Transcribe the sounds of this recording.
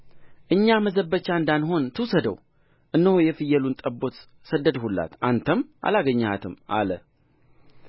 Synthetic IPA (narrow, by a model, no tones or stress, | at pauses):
ʔɨɲːaməzəbːət͡ʃːand̪anɦo̞nt̪ʰɨwsəd̪ə̰w | ʔɨnːəhujɛfɨjːɛlunt̪ʼəbːo̞t̪ | səd̪ːəd̪hulːa̰t̪ʔant̪ʰəmʔa̰laɡəɲːat̪ʰɨmʔa̰lə̰